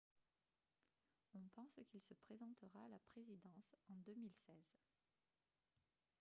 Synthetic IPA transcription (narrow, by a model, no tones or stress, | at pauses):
ɔ̃pɑ̃skʲilsəpχezɑ̃t̪əʁaːlapχezid̪ɑ̃sɑ̃d̪ømilsɛːz